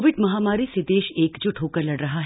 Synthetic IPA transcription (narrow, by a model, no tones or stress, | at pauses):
ʋɪɖmɐɦaːmaːɾised̪eːʃeːkd͡ʒʊʈʰɦoːkəɐɾlɐɽɾɐɦaɦ